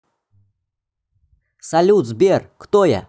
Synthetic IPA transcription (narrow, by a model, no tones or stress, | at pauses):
sɐlʲuzbʲerkt̪oja̰